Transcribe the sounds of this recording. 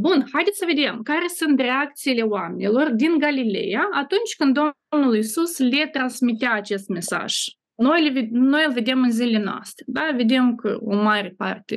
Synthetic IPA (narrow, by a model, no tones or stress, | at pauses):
bunxajd̪ʲessəve̞d̪e̞mkaɾe̞sɨnt̪rʲe̞ak̚t̪siile̞oamenilo̞rd̪inɡalile̞̰jaat̪unt͡ʃʲkɨnd̪d̪o̞ | mnulisusle̞t̪ɾansmit̪eaːt͡ʃe̞st̪̚me̞sa̰ʒ̥ | no̞jlveno̞jɨlve̞d̪e̞mɨnzile̞noa̰st̪ɾed̪ave̞d̪e̞mkə̰o̞̰maɾe̞pa̰rt̪ʲe̞